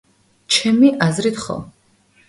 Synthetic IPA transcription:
t͡ʃʰɛmiʔazɾit̪ʰχɔ̰

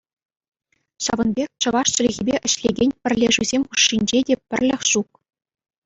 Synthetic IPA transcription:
ɕɑ̰ʋɤ̆nbʲekʲt͡ɕɤ̆ʋɑʂt͡ɕɘ̆lʲɣʲibʲeʔɘ̆ɕlʲeɡʲenʲpʲɘ̆rʲlʲeʐuzʲemʲχuʂːinʲd͡ʑedʲepʲɘ̆rʲlʲɘ̆xʲʂuk̚

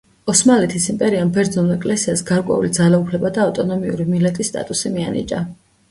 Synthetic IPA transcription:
ɔsmalɛt̪ʰisimpʼɛɾiambɛɾd̪zɔnulɛkʼlɛsiasɡaɾkʼwɛ̰ṵlid̪zalaupʰlɛbad̪aːt̪ʼɔnɔmiṵɾimilɛt̪ʼisːt̪ʼa̰t̪ʼusimianḭt͡ʃʼa̰

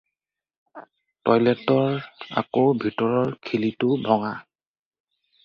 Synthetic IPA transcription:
tɔjlɛtɔɹa̰kobʱitɔɹɔɹkʰilitʊbʱɔŋa

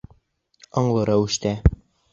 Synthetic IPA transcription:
ɒɴlˠɤ̆ɾɑwʉ̆ʃt̪æ

